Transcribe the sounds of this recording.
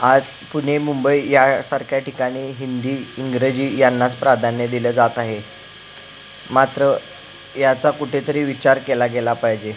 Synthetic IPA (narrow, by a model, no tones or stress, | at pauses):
ad͡zpuɽ̤emumbəijasaɾkjaʈikaɽ̃iːɦind̪iːiŋɡɾed͡ʑiːjanːat͡spɾad̪ʱanːəd̪iləːd͡zat̪aɦe | mat̪ɾə | jat͡sakuʈʰet̪əɾiːʋit͡ɕaɾkelaɡelapaɦjd͡ʑe